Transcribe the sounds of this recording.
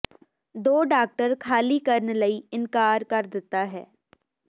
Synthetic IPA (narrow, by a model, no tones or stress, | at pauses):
d̪oːɖaːk̚ʈəɾkʰaːlikɐɾnlɐiɪnkaːɾkɐɾd̪ɪt̪aɦɛ̰ː